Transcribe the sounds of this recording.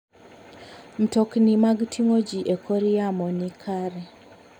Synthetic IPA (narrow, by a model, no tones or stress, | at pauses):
m̩toknimaɡtʰiŋod͡ʒiʔekʰoɾijamɔnikʰaɾɛ